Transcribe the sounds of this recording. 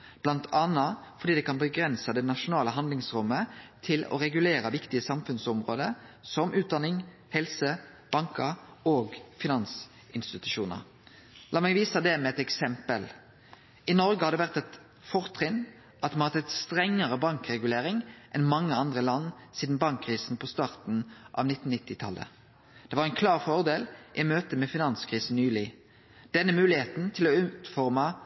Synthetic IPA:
b̥lɑnt̪ʰɑnːɑfɔʁd̪iːd̪ɛkɑnbəɡʁɛnsəd̪ɛnɑʃʊnɑːləɦɑnd̪lɪŋsʁʊmːət̪ʰɪlɔ̰ʁɛɡʉleːɾɑʋɪkt̪ɪəsɑmfʉnsɔmʁoːd̪əsɔmʔʉːt̪d̪ɑnɪŋ | hɛlsə | b̥ɑŋkəɾoːɡfɪnɑns | ʔɪnst̪ɪt̪ʉʃuːnə̰ʁ | lɑːmɛɡʋiːsəd̪ɛmɛɛt̪ɛksɛmpəl | ʔɪnɔʁɡəhɑd̪ɛʋæʁt̪ɛt̪ | fɔʁt̪ʰʁɪn | ʔɑt̪mɑnhɑt̪ʰɛt̪st̪ʁɛŋːəʁəbɑŋkʁɛɡʉleːʁɪŋʔɛnmɑŋːəɑnd̪ʁəlɑnːsiːd̪n̩bɑŋkʰːʁiːsn̩pʰɔst̪ɑːʁt̪n̩ʔɑ̰ʋnɪt̪ːn̩nɪt̪ːɪt̪ʰɑ̰lʔə̰ | d̪̥ɛʋɑʁɛnkʰlɑːʁfɔʁd̪eːlʔɪmøːt̪əmɛfɪnɑnskʰʁiːsn̩nyːlɪ | d̪̥ɛnːəmʉːlɪheːt̪n̩t̪ʰɪlɔʉːt̪fɔʁmɑ

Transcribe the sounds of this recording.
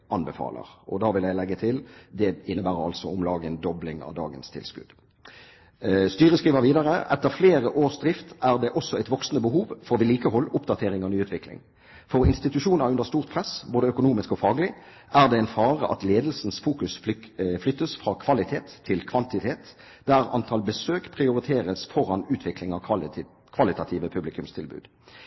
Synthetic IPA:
ʔɑnbəfɑ̰ːlə̰ʁɔ̰d̪ɑːʋɪljæɪlɛɡːət̪ʰɪld̪ɛɪnːəbæːʁəʁɑ̰lsɔʊmlɑːɡənd̪ɔblɪŋɑ̰ʋd̪ɑ̰ːɡənst̪ʰɪ̰lskʉ̰d̪ | st̪yːʁəskʁiːʋəʁʋiːd̪ɑʁəʔɛt̪ːəʁfleːʁəʔoːʁsd̪ʁɪft̪æːʁd̪ɛʔɔsːɔæɪt̪ʋɔksənəbəɦuːʋfɔʁʋɪliːkəhɔlːʊpd̪ɑt̪ʰeːʁɪŋɔnyːʉːt̪ʋɪklɪ̰ŋ | fɔʁɪnst̪ɪt̪ʉʃuːnəʁʉnd̪əʁst̪uːʁt̪̚pʰʁɛsboːd̪əœkʊnuːmɪskɔfɑːɡlɪ | ʔæʁd̪ɛɛɪnfɑːʁə̰ʔɑ̰t̪leːd̪l̩sn̩sfuːkʉsflʏt̪ːəsfʁɑːkʰʋɑlɪt̪ʰeːt̪ʰːɪlkʰʋɑnt̪ɪt̪ʰeːt̪ | d̪̥æʁɑ̰nt̪ʰɑlbəsøːkpʰʁɪʊʁɪt̪ʰeːʁəsfɔʁɑnʉːt̪ʰʋɪklɪŋɑʋʰ | kʰʋɑlɪt̪ɑt̪ʰiːʋəpʰʉblɪkʉmst̪ʰɪlbʉ̰ːd̪̥

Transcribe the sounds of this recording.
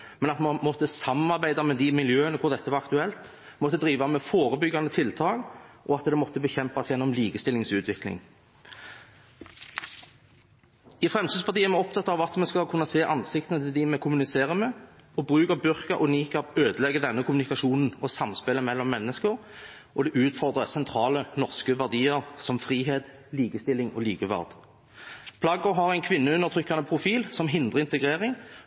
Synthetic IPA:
mɛnɑt̪mɑmɔt̪ːəsɑmːənɑɾbæɪd̪ɑmɛd̪ɪmɪljøːənəkʰʊɾd̪ɛt̪ːəʋɑɾɑkt̪ʉɛlt̪ | mɔt̪ːəd̪ɾiːʋɑmɛfoːɾəbʏɡːɑnət̪ʰɪlt̪ʰɑːɡʔɔɑt̪d̪ɛmɔt̪ːəbəçɛmpɑsjɛnːɔmliːkəst̪ɪlɪŋsʉːt̪ʰʋɪklɪ̰ŋ | ɪfʁɛmsid̪spʰɑʁt̪iːəmɛɔp̚t̪ʰɑt̪ːɑʋɑt̪mɛskɑkʰʉnːɑseːʔɑnsɪkt̪ənət̪ʰɪd̪ɪmɛkʰʊmʉnɪseːɾəmɛɔbʁʉːkəʁbʏʁkəʔɔniːkɑʋøːd̪əlɛɡːəd̪ɛnːəkʰʊmʉnɪkɑʃuːnn̩ɔsɑmspɛləmɛlːɔmːɛnːəskəɾ | ʔɔd̪ɛʔʉːt̪fɔʁd̪ʁəsɛnt̪ʰɾɑːlənɔʁskəʋæʁd̪iːəʁsɔmfʁiːɦeːt̪liːkəst̪ɪlːɪŋɔ̰liːkəʋæ̰ʁd̪ | pʰlɑɡəɦɑʁæɪnkʰʋɪnːəʉnːəʁt̪ʰʁʏkːɑnəpʰʁʊfiːlsɔmɦɪnd̪ʁəɪnt̪əɡʁeːʁɪŋ

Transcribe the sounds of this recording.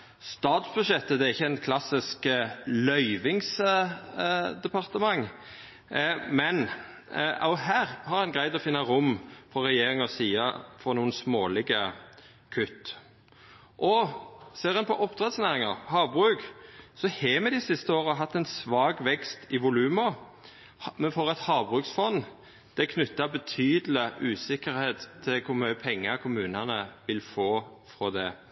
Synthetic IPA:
st̪ɑːt̪sbʉʃɛt̪ːəd̪ɛæʁɪçːəæɪnkʰlɑsɪsklœʏʋɪŋs | d̪ɛpʰɑʁt̪əmɑŋː | mɛn | ɑ̰ʊɦæːʁhɑʁɛnɡʁæɪd̪ɔfɪnːəɾʊmfɔʁʁɛjeːɾɪŋɔsiːɑ̰fɔʁnuːənsmoːlɪɡə | kʰʉt̪ː | ʔɔseːɾɛnpʰɔʔɔpd̪ʁɛd̪snæːʁɪŋɑʁhɑːbʁʉːksɔhɛmɛd̪ɪsɪst̪əoːʁəɦɑt̪ːɛnsʋɑːɡʋɛkst̪ɪʋʊlʉːmɑ | mɛnfɔʁɛt̪hɑːbʁʉːksfɔnː | d̪̥ɛkʰnʉt̪ːɑbət̪ʰyːd̪əlɪʔʉːsɪkəɾheːt̪ʰːɪlkʰʊmœəpʰɛŋːəkʰʊmʉːnɑnəʋɪlfoːfɾɔd̪ɛ

